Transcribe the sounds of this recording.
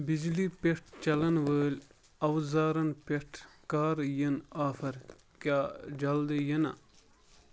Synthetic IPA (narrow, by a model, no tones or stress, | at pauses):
bid͡ʒlipeʈ̚ʰt͡ʃɐlɐnʋəːlʲ | ɐwzaːɾɐnpeʈʰkaːɾjənaːfɐɾ | kʲaːd͡ʒɐld̪ɨjɐnɐ̰